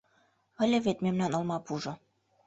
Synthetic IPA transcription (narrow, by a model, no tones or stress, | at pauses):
ə̆lʲĕβet̪memnænɤ̆lmɑpuʒŏ